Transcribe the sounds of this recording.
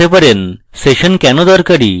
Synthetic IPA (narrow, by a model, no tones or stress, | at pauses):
epaɾen | seʃonkɛnod̪ɔɾkaɽḭ